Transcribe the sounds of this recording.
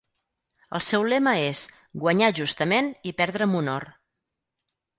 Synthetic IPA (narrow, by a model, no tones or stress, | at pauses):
ə̰lˠsɛwlɛməes | ɡwəɲaʒust̪əmenipɛɾðɾəmunɔr